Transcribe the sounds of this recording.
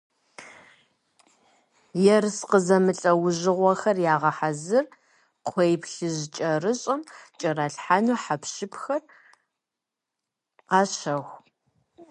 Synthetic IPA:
jɛrsqəzɐmɨɬʼɐwʊʑɪʁʷɔxɐrjaːʁɐħazɨr | qʷʰejpɬɨʑt͡ʃʼɐrɨɕʼɐmt͡ʃʼɐɾɐɬħanuːħapʃɪpʰxɐr | qɑːɕɐxʷ

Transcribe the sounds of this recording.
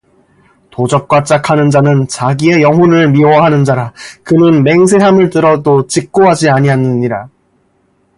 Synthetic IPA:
tod͡ʑʌk̚k͈wat͡ɕ͈akʰanɯnd͡ʑanɯnt͡ɕaɡie̞jʌŋɦunɯɭmiwʌɦanɯnd͡ʑaɾakɯnɯnme̞ŋsʰeɦamɯɭtɯɾʌdot͡ɕik̚k͈oɦad͡ʑiaɲianːɯɲiɾa

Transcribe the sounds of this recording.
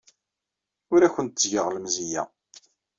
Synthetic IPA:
ʊɾæçʷənt̪zʝəʁləmzijæ̰

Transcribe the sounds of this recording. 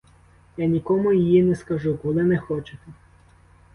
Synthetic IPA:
janʲikɔmʊjɪjinɛskɐʒukɔlˠɪnɛxɔt͡ʃɪt̪ɛ

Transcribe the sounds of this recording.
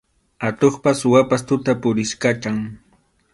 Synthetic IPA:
at̪oχpaswapast̪ʊt̪apʊɾɪʃkat͡ʃaŋ

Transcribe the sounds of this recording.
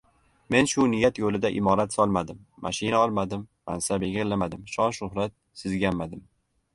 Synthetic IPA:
me̞nʃʊnɪjːat̪jolɪd̪aʔɪmɒɾat̪sɒlˠmad̪ɪmːa̰ʃɪnaɒlˠmad̪ɪmːa̰nsabeɡʲɪɾlamad̪ɪmʃɒnʃʊhɾat̪̚ | sɪzɡʲammːad̪ɪm

